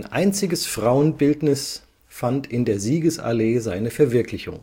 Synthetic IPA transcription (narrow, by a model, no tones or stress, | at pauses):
nʔa̰ɪnt͡sɪɡəsfʁ̥aʊənbɪltnɪs | fantɪndeːɐziːɡəsa̰leːzaɪnəfɛɐvɪɐkʰlɪçʊ̰ŋ